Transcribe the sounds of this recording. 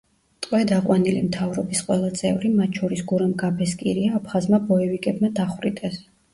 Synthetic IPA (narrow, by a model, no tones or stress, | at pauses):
t̪ʼqʼwɛd̪aqʼwanilḭmt̪ʰavɾɔbisqʼwɛlˠat̪sʼɛ̰vɾimat̪ʰt͡ʃʰɔɾisɡuɾamɡapʰɛskʼḭɾiaːpʰχazmabɔɛvikʼɛbmad̪aχwɾit̪ʼɛs